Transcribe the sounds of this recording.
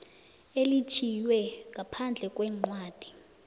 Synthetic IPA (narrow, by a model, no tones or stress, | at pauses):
elit͡ʃʰijwɛŋɡʱapʰand͡ɮʱɛkʼwɛːŋ͡ǃwaːd̥ʱi